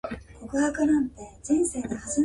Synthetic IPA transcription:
kokɯ̟ɦakɯnãnt̪e̞d͡ʑĩɰ̃se̞ːɡ̪ahazɨ

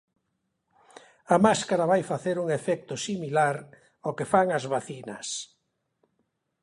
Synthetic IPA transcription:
ɐmaskaɾaβajfaθeɾuŋefɛk̚t̪ʊsimilaɾ | okefaŋɐzβaθinɐ̰s

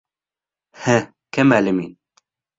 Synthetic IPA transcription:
hɛ | kʰɛmæːləmḭːn

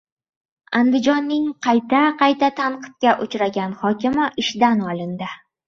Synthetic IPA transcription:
and̪ɪd͡ʒɒnːɪŋqʰɑjt̪ʰaqʰɑjt̪at̪ʰanqʰɨ̥t̪̚kʲaʔʊt͡ʃɾaɡʲanhɒkʲɪmɪʔɪʃd̪anɒlˠɪnd̪ɪ

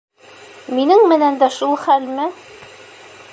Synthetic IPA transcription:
minɘŋmɘ̆nænd̪æʃulˠχælmɘ

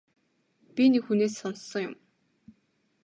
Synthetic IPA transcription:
pʲinikxuneːsːɔnssɞ̆ŋjʊm

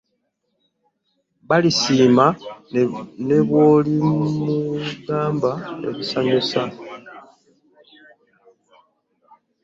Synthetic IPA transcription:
βalisiːma | ne̞βwoːlimuɡaːmbaḛβusaɲusa

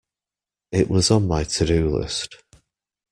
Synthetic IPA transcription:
ɪʔwɒzn̩maɪtʰədʉlɪ̰st

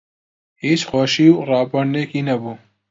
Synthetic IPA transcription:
hiːt͡ʃxoːʃiwrɑːpɐɽneːkinɐbu

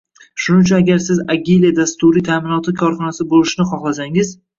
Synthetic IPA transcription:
ʃʊnɪt͡ʃʰʊnaɡʲaɾsɪzaɡʲiliad̪ast̪ʊɾɪt̪ʰamɪnɒt̪ʰɪkʰɒɾχɒnasɪbolɪʃnɪχɒχlas̬aŋɪz

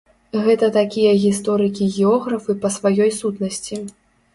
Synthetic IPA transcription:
ɣɛt̪ɐt̪akʲijɐɣʲist̪ɔɾɨkʲiɣʲɛɔɣɾɐfɨpɐsvajɔjsut̪nɐsʲt͡sʲi

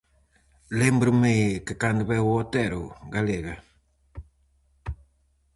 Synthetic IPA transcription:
lembɾʊmejkekand̪ʊβɛwot̪ɛɾuɡaleɣɐ

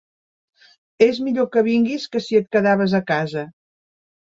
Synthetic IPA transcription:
ezmiʎokəβ̞iŋɡiskəsiət̪̚kəðaβəzəkazə

